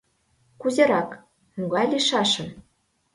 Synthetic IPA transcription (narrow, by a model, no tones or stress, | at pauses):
kuzʲĕɾɑk | muɡɑjlʲiʃɑʃɤ̆n